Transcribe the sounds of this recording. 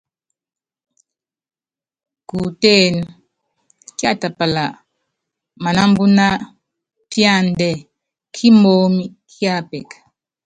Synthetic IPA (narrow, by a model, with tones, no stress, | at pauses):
ku˨te˦˨n˨ | kja˦˨ta˨pa˨la˨ | ma˨na˦m˦bu˦na˦ | pja˦˨ndɛ˨ | kʰi˦mo˦mi˦kʰja˦pɛ˨k